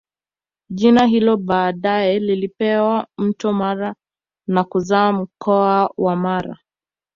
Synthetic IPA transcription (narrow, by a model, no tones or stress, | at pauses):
ʄinaɦilɔɓaːɗajɛlilipɛwam̩tɔmaɾa | nakuzaːm̩kɔawamaɾa̰